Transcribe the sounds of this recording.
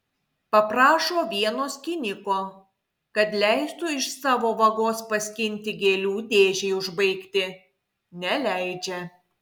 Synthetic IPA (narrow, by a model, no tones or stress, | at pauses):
pɐpɾɑːʃoːʋʲiɛnoːskʲɪnʲɪkoː | kɐt̪lʲɛɪst̪uɪʃsɑːʋoːʋɐɡoːspɐsʲkʲɪnʲˑt̪ʲɪɡʲeːlʲuːd̪ʲeːʒʲɛɪʊʒbɐɪkt̪ʲɪ | nʲɛlʲæɪd͡ʒʲɛ